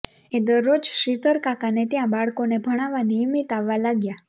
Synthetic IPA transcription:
ed̪əɾːod͡ʒʃit̪əɾkakanet̪jãbaɭkonebʱəɽ̃aʋanijmit̪aʋːalaɡja

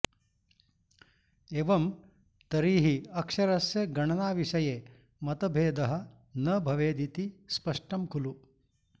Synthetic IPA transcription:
eʋɐm | t̪ɐɾiːɦiɐkʂɐɾɐsjɐɡɐɳɐnaːʋiʂɐjeː | mɐt̪ɐbʱeːd̪ɐɦɐ̆ | nɐbʱɐʋeːd̪it̪ispɐʂʈɐmkulu

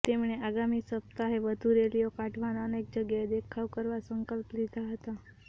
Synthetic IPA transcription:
t̪emɳeaɡamisəp̚t̪aɦeʋəd̪ʱuɾelijokaʈʰʋanaənek̚d͡ʒəɡjad̪ekʰaʋkəɾʋasəŋkəlplid̪aɦət̪a

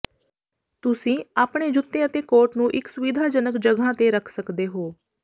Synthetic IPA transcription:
t̪ʊsĩːaːpɳeːd͡ʒʊt̪ːẽːət̪eːkoːɾʈnũːʔɪksʊʋɪd̪ʱaːd͡ʒənəkd͡ʒəɡʱãːt̪eːɾəkʰsəkd̪eːɦoː

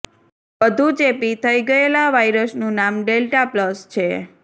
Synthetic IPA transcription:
ʋəd̪ʱũt͡ʃepit̪ʰəiɡəelaʋajɾəsnũnamɖelʈapləst͡ʃʰe

